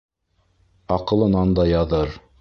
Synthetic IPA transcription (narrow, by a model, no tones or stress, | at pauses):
ɑqɤ̆lˠɤ̆nɑnd̪ɑjɑðɤɾ